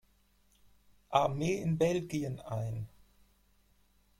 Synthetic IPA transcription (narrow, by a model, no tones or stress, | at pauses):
ʔaɐmeːɪnbɛlɡiənaɪn